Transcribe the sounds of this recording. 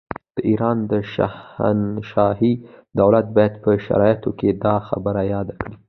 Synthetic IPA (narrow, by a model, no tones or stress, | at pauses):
d̪̥əʔiɾɑnd̪əʃa̰hnʃɑɦid̪awlat̪̚bɑjad̪pəʃa̰ɾɑjat̪oked̪ɑxa̰bəɾajɑd̪akɽi